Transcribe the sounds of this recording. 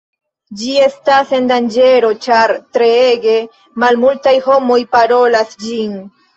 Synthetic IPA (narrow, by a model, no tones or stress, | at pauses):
d͡ʒie̞stase̞ndand͡ʒe̞ɾo̞t͡ʃaɾtɾe̞eɡe̞ | malmultajho̞mo̞jpaɾo̞lasd͡ʒin